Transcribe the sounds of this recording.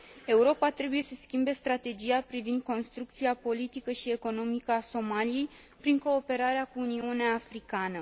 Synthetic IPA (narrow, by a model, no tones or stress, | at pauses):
e̞uɾo̞pat̪ɾe̞buje̞səskʲimbe̞st̪ɾat̪e̞d͡ʒijapɾivind̪̚ko̞nst̪ɾuk̚t̪siapo̞lit̪ikəʃie̞ko̞no̞mikəaso̞malije̞j | pɾiŋko̞ːpe̞ɾaɾeakuːniuneaːfɾikanə